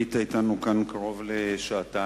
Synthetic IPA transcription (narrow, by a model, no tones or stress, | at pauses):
it̪ait̪anukankaʁo̞vleʃaːta